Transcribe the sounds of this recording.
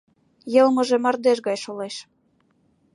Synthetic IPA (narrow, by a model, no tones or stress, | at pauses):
jɤ̆lmɤ̆ʒemɑrd̪eʃ̬ɣɑjʃoleʃ